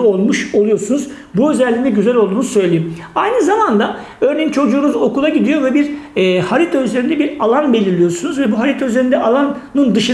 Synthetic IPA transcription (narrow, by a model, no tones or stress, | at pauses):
o̞lˠmuʃo̞lˠujo̞ɾsunuz̥ | buø̞zɛlʲːinɛɟyzælʲolˠd̪uːnusø̞jlʲejim | ajnɯzamand̪a | ø̞ɾne̞jint͡ʃʰo̞d͡ʒuːnuzo̞kulˠaɟid̪ijo̞vɛbiɾhaɾit̪ʰayzeɾind̪ɛbiɾalˠanbe̞lʲiɾlʲijo̞ɾsunuzvɛbuɦaɾit̪ʰayzeɾind̪ɛalˠanːɯnd̪ɯʃɯ